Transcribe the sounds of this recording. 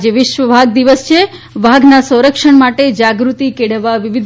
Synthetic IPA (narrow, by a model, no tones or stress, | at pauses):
eʋɪʃʋəbʱaɡ̚d̪iʋəst͡ʃʰe | bʱaɡnasə̃w̃ɾəkʃəɳmaʈed͡ʒaɡɾut̪ikeɽ̤əʋaʋɪʋɪd̪